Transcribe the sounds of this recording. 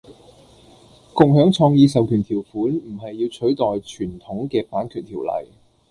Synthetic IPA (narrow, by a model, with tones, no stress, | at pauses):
kʊ˨ŋɦœː˨˥ŋt͡sʰɔː˧ŋjiː˧sɐ˨wkʰyː˨˩nt̪ʰiː˨˩wfuː˨˥nm̩˨˩ɦɐ˨jːiː˧wt͡ʃʰɵ˨˥ɥt̪ɔː˨jt͡ʃʰyː˨˩nt̪ʰʊ˨˥ŋkɛː˧paː˨˥nkʰyː˨t̚t̪ʰiː˨˩wlɐ̰˨˩j